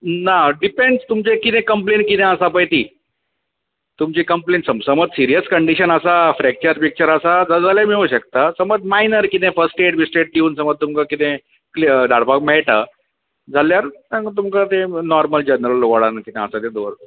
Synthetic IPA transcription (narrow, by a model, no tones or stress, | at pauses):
naɖipẽɳɖst̪umt͡ɕekit̪ẽkəmplenʈkit̪ɛ̃əsapəjt̪iː | t̪umt͡ɕiːkəmpleɳʈsəmsəməd͡zsiɾijəskəɳɖiɕənəsafɾɛk̚t͡ɕəɾpik̚t͡ɕəɾəsad͡zəd͡zalamiuɕəkt̪asəməd͡zmainəɾkit̪ẽfəsʈeʈbisʈeʈ̪̚iuːnsəməd̪̚t̪umkakit̪ẽ | kld̪ʱaɽpakmɛɭʈa̰ | d͡zʱaljaɾt̪ãŋkt̪umkat̪enɔɾməld͡ʑənɾəlʋəɽankit̪ẽəsat̪ẽd̪oɾ